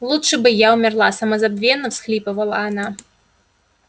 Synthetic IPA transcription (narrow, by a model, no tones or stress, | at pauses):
lˠutʂɨbɨjaumʲarlˠasɐmɐzabvʲɛnːɐwsxlʲipɐvɐlˠɐ̰ːna